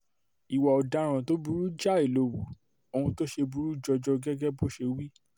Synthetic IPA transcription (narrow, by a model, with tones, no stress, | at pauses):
i˨wɔ˨ɔ˨da˨˦ɾ̃ã˨to˦bu˧ɾu˦d͡ʒa˦˨i˦˨lo˧˨wu˨ | o˧˨ũ˧to˦ʃe˧bu˧˦ɾu˦d͡ʒɔ˧d͡ʒɔ˧ɡɛ˦ɡɛ˦bo˦ʃe˧wi˦